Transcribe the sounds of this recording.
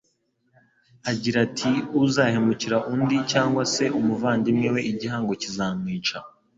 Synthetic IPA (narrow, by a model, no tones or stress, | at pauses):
aɟiɾatʰiuzaːhemuciɾaʔundicaːŋɡwase̞ʔumuvaːndimŋewe̞iɟiɦaːŋɡo̞cizaːmŋiːt͡ʃa